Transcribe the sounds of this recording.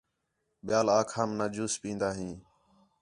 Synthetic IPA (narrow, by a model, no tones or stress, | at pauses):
ɓɪjaːlaːkʰaːmnaːd͡ʒuːspĩːnd̪aːɦĩː